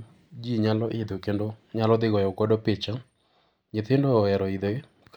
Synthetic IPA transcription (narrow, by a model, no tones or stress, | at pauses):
d͡ʒiɲalɔʔɪd̪okendoɲalɔðɪɣɔjokɔdɔpet͡ʃa | ɲɪtɪndɔːɛɾɔiðe | k